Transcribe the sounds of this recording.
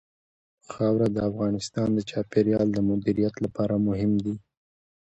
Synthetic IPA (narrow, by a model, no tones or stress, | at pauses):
pəxɑwɾad̪əafɣɑnɪst̪ɑnd̪ət͡ʃɑpeɾjɑld̪əmʊd̪iɾijat̪lapɑɾamʊɦɪmd̪i